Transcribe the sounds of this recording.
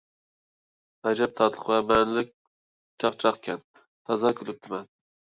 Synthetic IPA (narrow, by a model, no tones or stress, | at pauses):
æd͡ʒɛp̚t̪ʰɑd̪lˠəqvɛmɛnlɪk̚ʲ | t͡ʃʰɑqt͡ʃʰɑqkʲʰɛn | t̪ʰɑzɑkʲʰylɪp̚t̪ʰɪmɛn